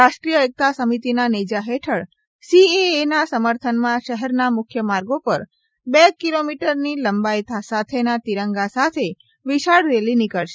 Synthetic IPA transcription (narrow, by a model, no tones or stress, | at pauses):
ɾaʃʈɾijəek̚t̪asəmit̪inanid͡ʒaɦeʈʰəɭ | sieːnasəməɾt̪ʰənmãʃəɦɛɾnamʊkʰjəmaɾɡopəɾ | bekilomiʈəɾniləmbajt̪ʰasat̪ʰenat̪iɾəŋɡasat̪ʰe | ʋiʃaɽɾelinikəɭʃe̥